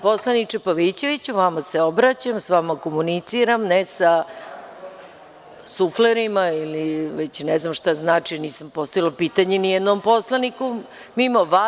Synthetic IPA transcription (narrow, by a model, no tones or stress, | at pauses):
poslˠanit͡ʂepaʋit͡ɕe̞ʋit͡ɕuʋamaseo̞bɾat͡ɕamsʋamakomunit̪siɾamnesa | sufleɾimailiʋet͡ɕneznamʃt̪aznaːt͡ʂiniːsampo̞st̪ojilopiːt̪aɲenijɛd̪nompo̞slˠaniku | mimaʋa